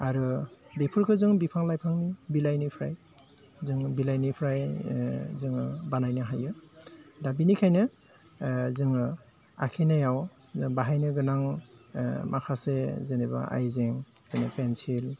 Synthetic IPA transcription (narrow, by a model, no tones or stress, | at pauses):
aɾɯbepʰuɾkʰɯzɯŋbipʰaŋlajpʰaŋnibilajnipʰɾaj | zɯŋbilajnipʰɾaj | zɯŋbanajnɯɦajɯdabinikʰajnɯ | zɯŋ | a̰kʰenajaw | zɯŋbaɦajnɯɡɯnaŋ | makʰasezeneba̰a̰jzeŋ | kɯnɯpensil